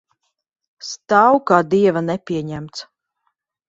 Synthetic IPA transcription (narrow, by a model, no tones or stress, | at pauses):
st̪awkaːd̪iɛvanɛpʲiɛɲæmt̪s